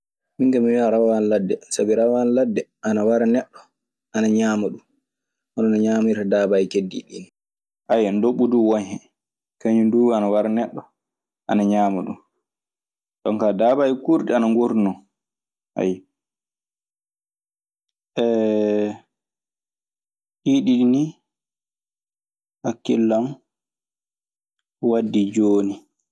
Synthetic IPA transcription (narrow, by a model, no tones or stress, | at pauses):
miŋkamiwiaɾawawanladːɛsabiɾawawanladːɛʔanawaɾanɛɗːɔ | ʔanaɲaːmaɗum | ʔɔnɔnaɲaːmiɾadabajkedːḭɗḭn | ʔajandoɓːuduwaɲɛ | kaɲunduanawaɾanɛɗːɔ | ʔanaɲaːmaɗṵm | ɗɔŋkadabajkuɾɗɛanaŋɡuɾnɔ | ʔa̰j | ʔɛ | ʔiɗiɗini | hakːilːam | wadːid͡ʒoːni